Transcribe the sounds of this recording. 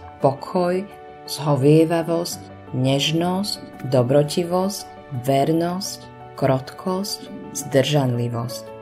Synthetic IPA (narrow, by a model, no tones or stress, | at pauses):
pɔkʰɔj | z̥ɦɔʋɪɛʋaʋɔsc | ɲɛʒnɔscd̪ɔbɾɔciʋɔsc | ʋɛɾnɔsc | kɾɔt̪kʰɔscz̥d̪r̩ʒanliʋɔsc